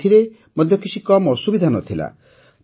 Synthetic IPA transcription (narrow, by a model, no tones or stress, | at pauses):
iɾe | mɔd̪ʱjɔkit͡ʃʰikɔmɔsubid̪ʱanɔt̪ʰila̰